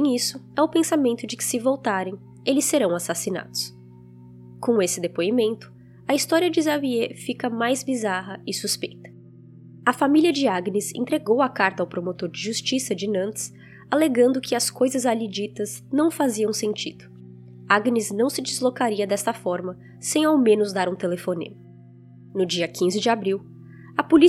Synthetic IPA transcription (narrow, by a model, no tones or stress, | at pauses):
ẽisʊɛʊpẽsamẽnt̪ʊd͡ʒɪkɪ̥sɪvowt̪aɾẽj̃ | elɪsːeɾɐ̃w̃asasina̰d̪̥ʊ̥s | kõesɪd̪epoimẽnt̪ʊ̥ | ɐist̪ɔɾiɐd͡ʒɪzaviefikɐmajzbizaɦɐɪsuspejt̪ɐ̥ | ɐfamiliɐd͡ʒɪaɡnɪzḛ̃nt̪ɾeɡowɐkaɾt̪ɐawpɾomot̪oɾd͡ʒɪʒust͡ʃisɐd͡ʒɪnɐ̃nt̪ɪ̥s | aleɡɐ̃nd̪ʊkʰɪɐskojzɐzalid͡ʒit̪ɐznɐ̃w̃faziɐ̃w̃sẽnt͡ʃid̪ʊ | aɡnɪznɐ̃w̃sɪd͡ʒɪzlokaɾiɐd̪ɛst̪ɐfɔɾmɐ | sẽj̃awmẽnʊzd̪aɾũt̪elefonḭ̃mʊ | nʊd͡ʒiɐkʰĩzɪd͡ʒɪabɾiw | ɐpoli